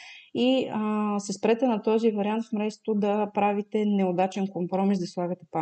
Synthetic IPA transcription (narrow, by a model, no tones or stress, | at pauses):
i | sɛspɾɛt̪ɛnɐt̪ɔzivɐɾiant̪fmɾɛst̪t̪od̪ɐpɾavit̪ɛnɛod̪at͡ʃɛnkompɾɔmisd̪ɐslˠaɡət̪ɛpa